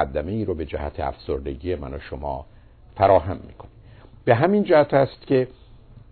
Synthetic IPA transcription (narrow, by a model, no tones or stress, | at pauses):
ad̪ːæme̞iːɾobe̞d͡ʒæhæ̰t̪ʰeæ̰fsoɾd̪e̞ɟiːje̞mæ̰noʃomɒ̰ː | fæɾɒːɦæmːḭːkʰo̞nib̥e̞ɦæmind͡ʒæhæt̪ʰæst̪cʰe̞